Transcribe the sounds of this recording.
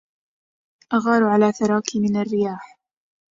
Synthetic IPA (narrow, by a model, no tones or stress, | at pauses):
ʔaɣɑːɾˤʕalaːθaɾˤɑːkimɪnarːɪjaːħ